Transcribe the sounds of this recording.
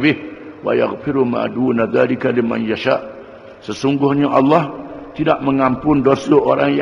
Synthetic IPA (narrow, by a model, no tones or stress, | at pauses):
bɪhwa̰ja̰ɣfɪɾuma̰d̪uːnaðaːlɪkalima̰njaʃaʔ | səsuŋɡʊhɲaʔɑlːɑht̪idaʔməŋampʊndosəʔoɾaŋj